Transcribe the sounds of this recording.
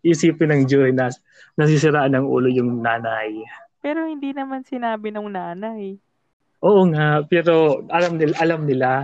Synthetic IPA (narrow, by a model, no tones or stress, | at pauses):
ʔisiːpɪnɐŋd͡ʒoɪnɐ | nɐs̬isɪɾaːʔɐnɐŋʔṵːlojʊŋnaːnajpɛːɾo̞hɪnd̪inɐmansɪnaːbɪnoŋnaːnaj | ʔoːʔoŋaʔpɛːɾo̞ʔɐlamnɪlaʔɐlamnɪla